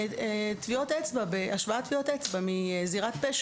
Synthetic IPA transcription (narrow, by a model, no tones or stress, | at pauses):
tviotet͡sbabeʔaʃvaat̪viotet͡sbamiziʁatpeʃ